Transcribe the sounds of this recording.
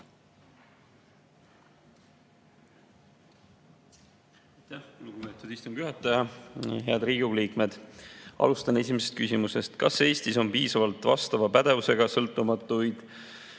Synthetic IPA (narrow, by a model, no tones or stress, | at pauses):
ɑjt̪ːæhkuluɡ̥umet̪ːod̪̥ist̪um̥yɦɑt̪ːˑɑjɑɦe̞ɑd̪riːɡuliːkme̞d̪̥ʔɑ̰lust̪ɑne̞s̬ʲimese̞st̪̚kysʲimuse̞st̪kɑse̞ːst̪iso̞mpiːsɑvɑlt̪vɑ̰st̪ɑvɑpæd̪̥e̞vuse̞ɡ̥ɑsɤlt̪ːˑumɑt̪ːˑujd̪̥